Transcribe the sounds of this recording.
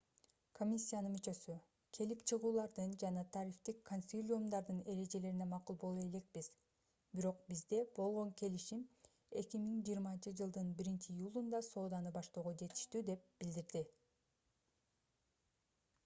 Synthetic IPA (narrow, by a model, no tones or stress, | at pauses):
kʰo̞mʲisʲːijanɯnmyt͡ʃø̞sy | kʰe̞lipt͡ʃʰɯʁuːlˠɑɾd̪ɯnd͡ʒɑnɑt̪ʰɑɾift̪ikkʰːo̞nʲsʲilʲijumd̪ɑɾd̪ɯne̞ɾe̞d͡ʒe̞le̞ɾine̞mɑqulˠbo̞lˠue̞le̞k̚biz̥ | biɾo̞q̚bizd̪e̞b̥o̞lˠʁo̞ŋkʰe̞liʃim | e̞kʲimiŋd͡ʒiːɾmɑnt͡ʃɯd͡ʒɯlˠd̪ɯnbiɾint͡ʃiːjulˠund̪ɑso̞ːd̪ɑnɯbɑʃt̪o̞ːʁod͡ʒe̞t̪i̥ʃt̪yd̪e̞p̚bild̪iɾd̪i